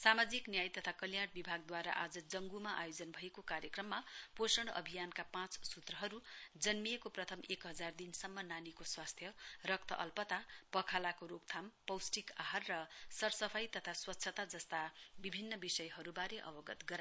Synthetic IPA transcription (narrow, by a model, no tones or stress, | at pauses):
samad͡ziknjajt̪ʌt̪ʰakʌljaʈ̚bibʱaɡ̚d̪waɾa̰ʔad͡zʌd͡zʌŋɡumaʔajod͡zʌnbʱʌekokaɾjʌkrʌmːaposʌɽ̃ʌ̰bʱijankapãt͡ssut̪rʌɦʌɾud͡zʌnmiekoprʌt̪ʰʌmekɦʌd͡zard̪insʌmːʌnanikoswast̪ʰjʌrʌk̚t̪ʰʌʔʌ̰lpʌt̪apʌkʰalakoɾokt̪ʰampʌwsʈikaɦarːʌsʌrsʌpʰajt̪ʌt̪ʰaswʌtːsʰʌt̪ad͡zʌst̪abibʱinːʌbisʌjɦʌɾubaɾeʔʌ̰bʌɡʌt̪ɡʌɾa